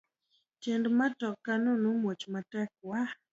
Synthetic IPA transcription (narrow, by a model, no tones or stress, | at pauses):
t͡ʃendmatɔkːanonomwot͡ʃmatɛk̚wa